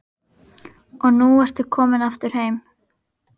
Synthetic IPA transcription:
ɔɣnuɛr̥st̪ʏkʰɔːmɪnaft̪ʏɾ̥hejm

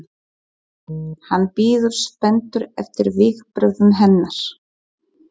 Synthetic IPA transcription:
hanːpiːðʏɾ̥spɛnt̪ʏɾɛ̰ft̪ɪɾvɪɣpɾœɣðʏnɦɛnːaɾ̥

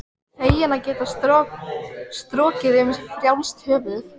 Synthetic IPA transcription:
heːjɪnacɛːt̪a | st̪ɾɔːcɪðeːmɪsfɾjawnst̪hœːvʏð

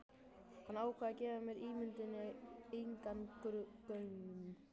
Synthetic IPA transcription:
kʰanawkʰvɛðacɛːvamjɛɾiːmʏnt̪ɪnːɪejŋkantʏɾʏt̪œɥnm

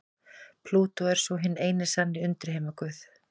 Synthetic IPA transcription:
pʰluːt̪ɔɛɾ̥sɔɦɪnːeːjnɪsanːɪʏnt̪ɪɾ̥hejmakʏθ

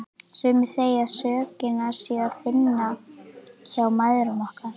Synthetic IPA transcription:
sʏːmɪ̥seːjasœːcɪnaɾ̥sɛaðfɪnːa | çawmajðɾʏnɔhkaɾ̥

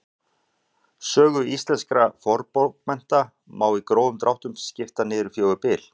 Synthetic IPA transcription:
sœːɣʏist̪lɛnskɾafɔɾpokmɛn̥t̪a | maːwikɾoːwðʏmt̪ɾawht̪ʏmscɪft̪anɪːðɾʏ̥fjoːwɣʏpɪːl̥

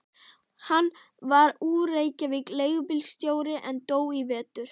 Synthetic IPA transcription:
hanː | vaɾuːɾeːjcavɪkleːjɣpɪlst̪joːwɾɪʔɛnt̪oːwivɛːt̪ʏɾ̥

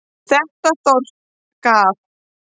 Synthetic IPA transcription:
θɛht̪ast̪owɾ̥t̪ | kaːθ

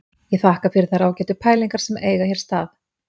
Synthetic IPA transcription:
jɛθaːhkafɪɾɪɾθaɾaːwcɛːt̪ʏpʰaːjliŋkaɾ̥sɛmeːjɣaçɛɾ̥st̪aːθ

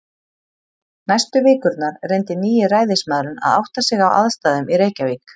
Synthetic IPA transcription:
najst̪ʏvɪːkʏɾt̪naɾ̥rejnt̪ɪniːjɪraːjðɪsmaðɾʏna̰ða̰wht̪asɪɣawa̰ðst̪aːðʏmiɾeːjcaviːk

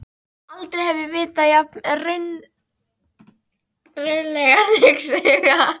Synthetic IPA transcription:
alt̪ɾejhɛvɪvɪːt̪ajapnrʏɥn | rʏnlɛɣalɪksɛɣa

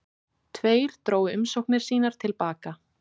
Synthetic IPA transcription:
t̪ʰveːjɾ̥t̪ɾoːwʏmsowhknɪɾ̥siːnaɾ̥t̪ʰɪlpaːka

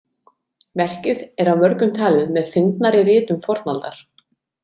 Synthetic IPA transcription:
vɛr̥cɪðɛɾawmœɾkʏmt̪ʰaːlɪðmɛðfɪnt̪naɾɪɾɪːt̪ʏmfɔɾt̪nalt̪aɾ̥

